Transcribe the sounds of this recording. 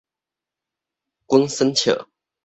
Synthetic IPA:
kwə˥ŋsə˥nt͡ɕʰjə̰˨˩˦

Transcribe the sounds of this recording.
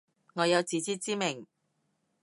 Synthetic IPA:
ŋɔː˨˧jɐ˨˧wt͡siː˨˥t͡siː˥t͡siː˥mɪ˨˩ŋ

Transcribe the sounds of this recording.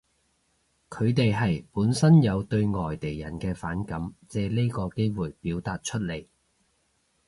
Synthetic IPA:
kʰɵ˨˧ɥt̪e˨jɦɐ˨jpuː˨˥nsɐ˥njɐ˨˧wt̪ɵ˧ɥŋɔː˨jt̪e˨˩jjɐ˨˩nkɛː˧faː˨˥nkɐ˨˥mt͡sɛː˧le˥kɔː˧ke˥jwuː˨˩jpiː˨˥wt̪aː˨t̚t͡ʃʰɵ˥t̚le˨˩j

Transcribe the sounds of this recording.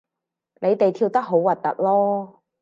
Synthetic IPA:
nle˨˧jt̪e˨jt̪ʰiː˧wt̪ɐ˥k̚ɦo˨˥wwɐ˨˩t̚t̪ːɐ˨t̚lɔː˥

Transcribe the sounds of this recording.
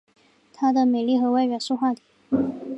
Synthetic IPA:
t̪ʰa˥d̪ə˨me˨˩li˥˩xɤ˧˥wa˥˧ɪɥɛ˧˥˩nʂu˥˧xwa˥˩t̪i˨˩˦

